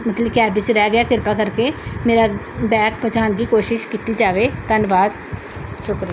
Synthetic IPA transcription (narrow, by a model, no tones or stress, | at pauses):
mət̪ləkɛːbʋɪt͡ʃɾɛːɡɪjaːkɪɾpaːkəɾkeːmeːɾaː | bɛːkpət͡ʃaːnd̪iːkoːʃɪʃkiːt̪iːd͡ʒaːʋeːt̪ənʋaːd̪ | ʃʊkɾɪ